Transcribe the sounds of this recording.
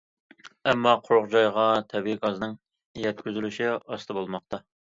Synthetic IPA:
ɛmːɑqʰʊɾʊʁd͡ʒɑjʁɑt̪ʰɛbiɡɑznɨŋ | jɛt̪̚kʲyzylyʃiɑst̪ɨbolˠmɑq̚t̪ɑ

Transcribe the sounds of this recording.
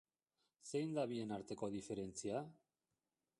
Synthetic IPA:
se̞jnd̪aβie̞naɾt̪e̞ko̞ð̞ife̞ɾe̞nt͡sia

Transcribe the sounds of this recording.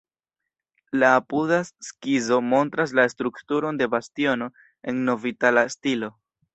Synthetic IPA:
laːpuðaskizo̞mo̞ntɾas̬laestɾuktuɾo̞nde̞bastio̞no̞ | e̞nːo̞vitalaestilo̞

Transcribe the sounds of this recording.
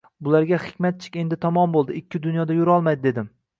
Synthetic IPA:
bʊlaɾɡʲahɪ̥kʲmat̪̚t͡ʃʰɪ̥kʲe̞nd̪ɪt̪ʰɒmɒmbolˠd̪ɪɪkʲːɪd̪ʊnjɒd̪ajʊɾɒlˠmajd̪ɪd̪e̞d̪ɪm

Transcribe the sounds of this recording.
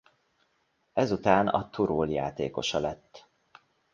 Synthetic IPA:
ɛzut̪aːnɒ̰t̪uɾoːlja̰ːt̪ḛːko̞ʃɒlɛt̪ː

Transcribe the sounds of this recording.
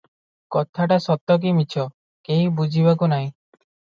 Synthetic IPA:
kɔt̪ʰaʈasɔt̪ːɔk̬imit͡ʃʰɔ | kejibud͡ʒʱibak̬unaɦĩ

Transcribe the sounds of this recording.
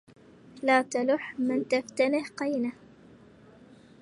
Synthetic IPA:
laːt̪alʊħmɪnt̪aft̪anɪhqɑjnah

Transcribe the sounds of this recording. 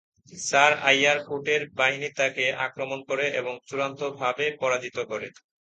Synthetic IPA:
saɾajaɾkoʈeɾbaɦinit̪akeʔa̰kɾomonkoɾeʔeboŋt͡ɕuɾant̪obʱabepɔɾad͡ʑit̪okɔɾe

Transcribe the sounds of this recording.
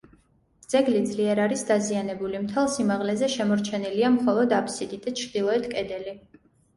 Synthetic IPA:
d̪z̥ɛɡlid̪zliɛɾaɾisd̪azianɛbulimt̪ʰɛlˠsimaʁlɛzɛʃɛmɔɾt͡ʃʰɛniliamχɔlˠɔd̪apʰsid̪id̪at͡ʃʰɾd̪ilˠɔɛt̪ʰkʼɛd̪ɛli

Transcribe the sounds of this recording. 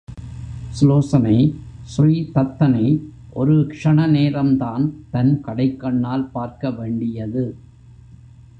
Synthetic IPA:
sloːsɐnɐɪsriːt̪ɐt̪ːɐnɐɪ | ʔɔɾɯkʂɐɳɐneːɾɐmd̪aːnt̪ɐnkɐɽɐɪkːɐɳːaːlpaːɾkɐʋeːɳɖɪjɐðɯ

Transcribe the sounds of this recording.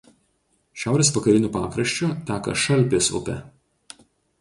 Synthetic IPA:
ʃʲæˑʊɾʲeːsʋɐkɐɾʲɪnʲuːpɑːkɾɐʃʲt͡ʃʲʊt̪ʲæːkɐ̰ʃɐlʲˑpʲɪsʊ̰pʲɛ̰

